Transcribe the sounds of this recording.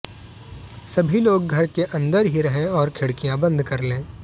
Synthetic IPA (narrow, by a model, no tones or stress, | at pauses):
sɐbʱiloːɡɡʱɐɾkeʔɐ̃nd̪əɾɦiɾɐɦẽɔːɾkʰɪɽkijãbɐ̃nd̪ʱkɐɾlẽː